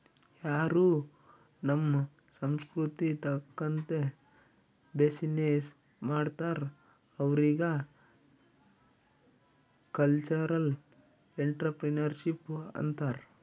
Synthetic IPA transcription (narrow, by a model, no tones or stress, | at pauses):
jaːɾuː | nɐmː | sɐmskɾut̪it̪ɐkːɐnt̪e | besineːs | maːɽt̪aːɾ | ɐʋɾiːɡɐ | kɐlt͡ʃɐɾɐl | eɳʈɾɐpɾinɐɾʃipːɐ̰nt̪aːɾ